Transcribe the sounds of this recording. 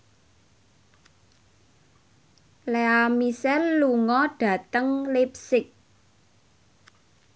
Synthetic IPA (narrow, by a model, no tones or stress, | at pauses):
leamisɛrluŋɔɖ̥ä̤t̪əŋlip̚sɪk̚